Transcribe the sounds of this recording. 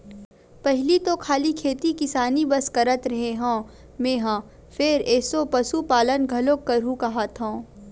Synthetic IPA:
pɛɦlit̪okʰaːlikʰeːt̪ikɪsaːnibɐskɐɾət̪ɾɐɦẽɦõː | mẽːɦã | fʰeɾɛːsopɐsupaːlənɡʱɐlokːɐɾũkɐɦaːt̪ɦõː

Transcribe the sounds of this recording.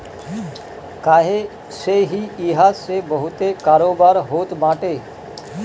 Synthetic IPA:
kaːɦe | seɦiiɦasebəɦʊt̪ekaːɾoːbaːɾɦoːt̪maːʈe

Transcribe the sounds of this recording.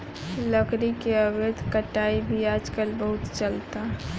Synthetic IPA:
ləkɾikeəbed̪ʱkəʈaibʱiaːd͡ʒkəlbəɦʊt̪t͡ʃəlt̪a

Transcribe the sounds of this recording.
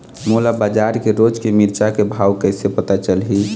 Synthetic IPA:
molabad͡ʒaɾkeɾod͡ʒkemiɾt͡ʃakebʱaːwkəɦsepət̪at͡ʃəlɦi

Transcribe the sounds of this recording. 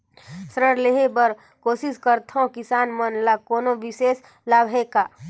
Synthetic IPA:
sɾəɽleɦebəɾ | koːsɪskəɾt̪ʰõkɪsaːnmənlakoːnoʋɪʃeːs | laːbʱeːkaː

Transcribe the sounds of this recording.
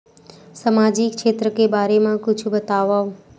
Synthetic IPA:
samad͡ʒikʃʰet̪ɾəkebaɾemãkʊt͡ʃʰubət̪aʋaʋ

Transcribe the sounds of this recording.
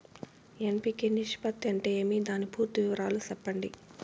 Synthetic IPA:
empiːkeniʂi̥pɐt̪ːɐɳʈeeːmid̪aːnipuːɾt̪uʋiʋɐɾaːlusɛpːɐɳɖḭ

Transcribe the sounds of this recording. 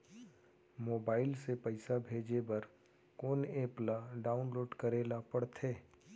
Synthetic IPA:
moːbaːɪlsepɐɪsabʱeːd͡ʒebɐɾ | koːneplaɖaːʊnloːɖkɐɾeːlapɐɽt̪ʰeː

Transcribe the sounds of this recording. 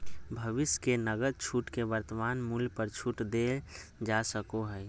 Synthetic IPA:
bʱəʋɪskenəɡəd̪̚t͡ʃʰuːʈkebəɾt̪əmaːnmuljpəɾt͡ʃʰuːʈd̪ed͡ʒasəkoɦɛː

